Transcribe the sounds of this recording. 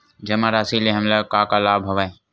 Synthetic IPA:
d͡ʒɐmãɾaːsileɦɐmlakaːkalaːbʱɐʋaẽ

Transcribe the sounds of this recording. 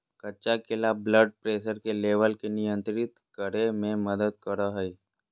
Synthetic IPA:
kɐtːʃakɪlabləɖ̚pɾeːʃəɾkeleːʋəlkenɪjə̃nt̪ɾɪt̪kəɾemẽməd̪əd̪kəɾaɦɛi

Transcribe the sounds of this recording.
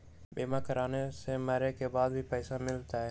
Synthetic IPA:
ɓeːmaːkəɾaːnesemɛːɾekebaːd̪̚bʱipɛːsamɪlt̪aːɦɛː

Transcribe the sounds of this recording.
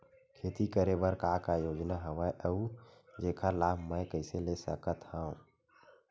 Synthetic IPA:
kʰeːt̪ikəɾebəɾkaːkajoːd͡ʒnaɦɐʋəjʔəud͡ʒeːkʰalaːbʱmə̃kəɪselesəkət̪hãũ

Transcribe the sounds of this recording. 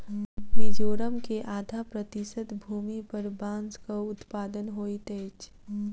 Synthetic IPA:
med͡ʒoːɾəmkeʔaːd̪ʱapɾət̪isət̪bʱuːmipəɾbãːnskaʊt̪paːd̪ənɦoːit̪ɛːt͡ʃʰ

